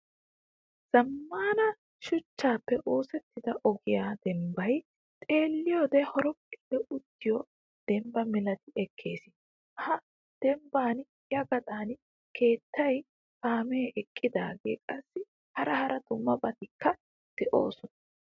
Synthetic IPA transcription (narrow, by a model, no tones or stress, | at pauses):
z̥ɐmːaːnɐ | ʃʊt͡ʃːaːpːɛʔoːsɛt̪ːɪd̪ɐʔɔɡɪjaːd̪̥ɛmbɐj | t̪ʼe̞ːlːɪjoːd̪ɛhɔɾɔkʼːɪlːɛʊt̪ːɪjɔ | d̪̥ɛmbɐmɪlɐt̪ɪɛkʰːe̞ːsɪ | hɐ | d̪̥ɛmbaːn | jɐɡɐt̪ʼaːn | kʰe̞ːt̪ːɐj | paːmɛːʔɛkʼːɪd̪aːɡeːkʼɐsːɪ | hɐɾɐhɐɾɐd̪ʊmːɐbʼɐt̪ɪkʰːɐ | d̪̥ɛʔo̰ːsɔnɐ